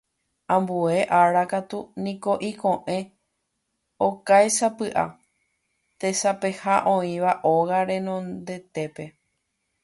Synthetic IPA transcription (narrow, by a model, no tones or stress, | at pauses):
ãmbue̞ʔaɾakat̪unĩko̞ʔikõ̞ʔẽ̞ | okajsapɨʔa̰ | t̪e̞sape̞haʔõ̞ĩʋaʔoɣaɾẽ̞nõ̞nd̪e̞t̪e̞pe̞